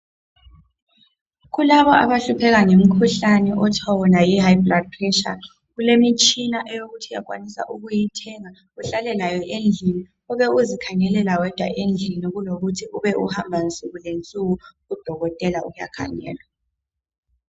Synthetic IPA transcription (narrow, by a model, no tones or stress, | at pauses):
ɣulaβɔʔa̰βaɬupʰɛɣ̬aŋem̩kʰuɬanɛʔɔtʰɔwɔnajiɦajblad̚pʰrɛʃa̰ | ɣulemit͡ʃʼinaʔɛjoɣutʰija̰k̬ʼwa̰nisa̰ʔuɣujitʰɛŋa | uɬalɛlajɔʔend͡ɮʱini | uβɛuzikʰaɲɛlɛlawɛd̥ʱwa̰ʔend͡ɮʱiniɣuloɣutʰiʔuβɛʔṵhambʱant͡sʼuɣulent͡sʼuɣu | ud̥ʱɔɣɔtʼɛlaʔuja̰kʰa̰ɲɛ̰ːlwa